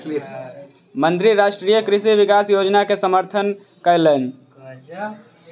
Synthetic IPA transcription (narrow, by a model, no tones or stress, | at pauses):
mənt̪ɾiɾaʃʈɾijəkɾisiβikasjod͡ʒnakesəməɾt̪ʰən | kəɪlən